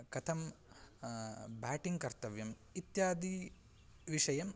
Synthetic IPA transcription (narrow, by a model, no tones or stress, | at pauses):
kɐt̪ʰɐm | baːʈiŋɡkɐɾt̪ɐʋjɐm | it̪jaːd̪i | ʋiʂɐjɐm